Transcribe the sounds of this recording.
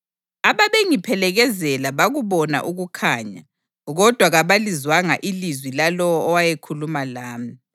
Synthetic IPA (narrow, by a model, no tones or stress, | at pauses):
aβaβeŋipʰɛlɛɣɛzɛlaβaɣuβɔna̰ʔuɣukʰaːɲa̰ | ɣɔd̥ʱwaɣaβalizwaŋa̰ʔilizwilalɔwɔːwajekʰulumalaːmi